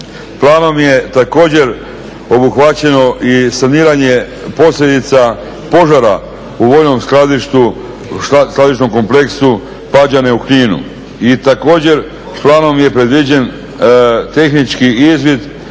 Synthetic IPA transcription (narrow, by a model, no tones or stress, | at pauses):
plˠaːno̞mje̞t̪ako̞ːd͡ʑe̞ɾ | o̞buxʋat͡ɕe̞no̞ʔisaniːɾaɲe̞ | po̞sʎʲed̪it̪sa | po̞ʒaɾa | uʋojno̞mslad̪iʃt̪u | sklˠad̪it͡ʃno̞mko̞mple̞ksu | pad͡ʑaneukɲiːnṵ | it̪ako̞ːd͡ʑe̞ɾ | splˠaːno̞mje̞pɾe̞d̪ʋid͡ʑe̞n | t̪e̞xnit͡ʃkiizʋid̪